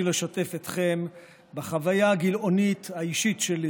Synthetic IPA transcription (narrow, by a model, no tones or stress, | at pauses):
leʃate̞fet̪χe̞m | baχavajaːɡilʔo̞nit̪haiʃitʃeli